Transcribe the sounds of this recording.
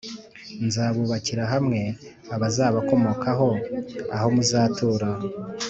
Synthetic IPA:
nzaːβuβaciɾaɦamŋe̞ | aβazaːβako̞mo̞ːkʰaɦo̞a̰ho̞muzaːtʰuːɾa

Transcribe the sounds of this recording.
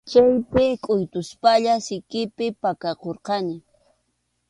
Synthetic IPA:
t͡ʃajpɪkʼʊjt̪ʊspaʎasɪkɪpɪpakɑqoɾqɑnɪ

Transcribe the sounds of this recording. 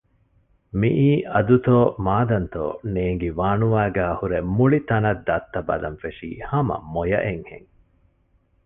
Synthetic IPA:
miʔiːʔɐd̪ut̪oːmaːd̪ɐnt̪o̰ːneːŋɡeʋaːnuʋaːɡæːhuɾemuɭit̪ɐnɐd̪ːɐt̪ːɐbɐ̰lɐ̰nfeʂḭːhɐmɐ̰mojɐ̰ʔeŋhḛŋ

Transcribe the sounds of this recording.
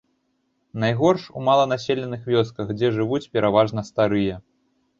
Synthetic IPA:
najɣɔrʂṵmalˠɐnasʲelʲɛnɨxvʲɔskɐxd͡zʲɛʐɨvut͡sʲpʲɛɾʔavaʐnɐst̪aɾɨjɐ

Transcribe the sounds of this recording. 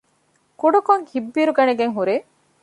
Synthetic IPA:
kuɖukoŋhibːiːɾuɡɐneɡeŋɦuɾeː

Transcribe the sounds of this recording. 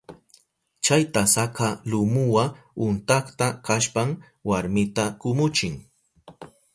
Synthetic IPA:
t͡ʃajt̪asakalʊmʊwaʊnt̪aχt̪akaʃpam | waɾmɪt̪akʊmʊt͡ʃɪŋ

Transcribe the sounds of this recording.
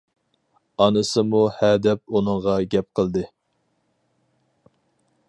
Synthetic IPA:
ɑnɨsɨmuhɛd̪ɛp̚unɨŋʁɑɡʲɛp̚qʰəlˠd̪ɨ

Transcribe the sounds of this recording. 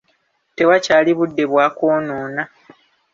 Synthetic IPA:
te̞wacaːliβudːe̞βwaːkoːnoːna

